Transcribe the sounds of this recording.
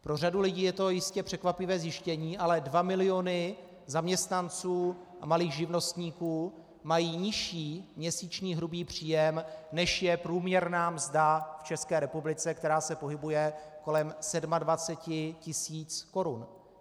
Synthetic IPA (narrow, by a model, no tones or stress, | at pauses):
pɾo̞r̝adulɪɟiːjɛt̪o̞jɪscɛpr̝̥ɛkvapɪvɛːzjɪʃcɛɲiːʔalɛdvamɪlɪo̞nɪ | zamɲɛst̪nant͡suː | ʔamaliːxʒɪvno̞st̪ɲiːkuː | majiːɲɪʃiːmɲɛsiːt͡ʃɲiːɦɾubiːpr̝̥iːjɛmnɛʃjɛpɾuːmɲɛɾnaːmzdaft͡ʃɛskɛːɾɛpublɪt͡sɛkt̪ɛɾaːsɛpo̞ɦɪbujɛko̞lɛmsɛdmadvat͡sɛcɪcɪsiːt͡sko̞ɾun